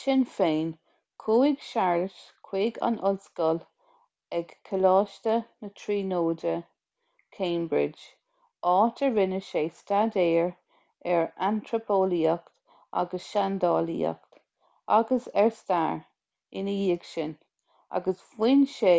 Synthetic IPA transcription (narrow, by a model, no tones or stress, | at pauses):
ʃɪnfeːn | kʰuːɪɡʃaɹətkʰw̥eːɡa̰nʔʊlskəl | ɛɡ̥kʰːəlɑːʃtənətʰɹiːnoːdə | kʰẽːmbɹɪ̰d͡ʒ | ɑːtʰəɹɪnəʃeːstadeːɹ | ɛɹantʰɹəpʰoːliəkt̪ | a̰ɡəsʃand̪ɑːlḭə̰kt̪ | a̰ɡəsɛɹsta̰ɹ | ɪnəjiːəɡʃɪn | a̰ɡəswɪnʃe